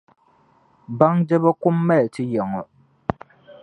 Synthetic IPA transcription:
ba˦ŋd͡ʒɛ˦ba˦kʊ˦mːɛ˦˨tɪ˦jɛ˨ŋɔ˨

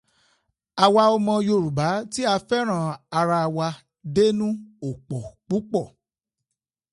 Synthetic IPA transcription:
a˧wa˧ɔ˧mɔ̃˧jo˧˨ɾu˨ba˨˦ti˦a˧fɛ˦ɾ̃ã˦˨a˧ɾa˧wa˧ | de˦nũ˦o˨k͡pɔ˨k͡pu˨˦k͡pɔ˦˨

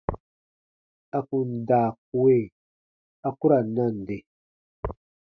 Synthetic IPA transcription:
a˨ku˨n˨da˨k̚u˨we˦˨ | a˨ku˦ɾa˨nːa˦˨n˨de˨

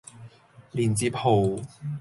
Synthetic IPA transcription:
liː˨˩nt͡siː˧˥pʰo˨˩w

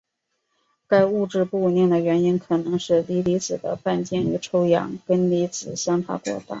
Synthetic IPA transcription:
ka˥˧ɪu˥˧ʈ͡ʂɻ̩˥˧pu˥˧˩njɛ˥˩nd̪ə˩ɥɛ˧˥ni˥nkʰɤ˨˩nɤ˧˥ŋʂɻ̩˥˩li˧˥li˧˥t͡sɹ̩˨˩d̪ə̰˦pa˥˧nt͡ɕjɛ˥˩ny˧˥ʈ͡ʂʰo˥ʊjɑ̰˧˥ŋkə˥nli˧˥t͡sɹ̩˨˩ɕjɑ˥nfa̰˧˥kwɔ̰˥˩t̪a̰˥˩

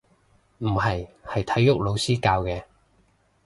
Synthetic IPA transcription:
m̩˨˩ɦɐ˨jhɐ˨jt̪ʰɐ˨˥jːʊ˥k̚lo˨˧wsiː˥kaː˧wkɛː˧

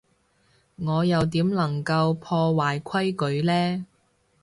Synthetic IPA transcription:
ŋɔː˨˧jɐ˨wt̪̬iː˨˥mlɐ˨˩ŋkɐ˧wpʰɔː˧waː˨˩jkʷʰɐ˥jkɵ˨˥ɥlɛː˥

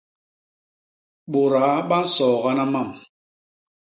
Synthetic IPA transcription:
ɓo˨ɾa˨˦ɓa˦n̩˦sɔː˨ɣa˦na˦ma˦˨m

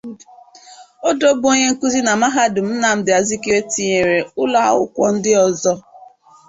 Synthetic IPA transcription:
o˦do˦bo˦ɲe˦ŋ̩˦ku˦zi˦na˨ma˦ɦa˦dʊ˨m̩˦na˨m̩˦dɪ˨a˨zi˦ki˦ɾe˦ti˨ɲe˨ɾe˨ʊ˦la˦a̰˦ʊ̰˦kʷɔ̰˦n̩˦dɪ˦ɔ˨zɔ˦

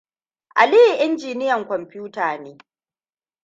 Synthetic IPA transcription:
ʔa˨liː˦hi˨ʔɪ˦nd͡ʒiː˨nɪ˦jɐ˨ŋkʷɔ˨mpʲjuː˦taː˨neː˦

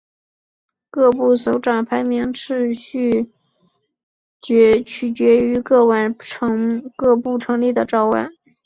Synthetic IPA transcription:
kɤ˥˧pu˥˩so˧˥ʊʈ͡ʂɑ˨˩ŋpʰa˧˥ɪmi˧˥ŋʈ͡ʂʰɻ̩˥˧ɕy˥˩ | ɛ˧˥t͡ɕʰy˨˩t͡ɕɥɛ˧˥y˧˥kɤ˥˧wa˧˩ʈ͡ʂʰkɤ˥˧pu˥˩ʈ͡ʂʰɤ˧˥ŋli˥˩d̪ə˩ʈ͡ʂɑ˥˧ʊwa̰˥˩˦n

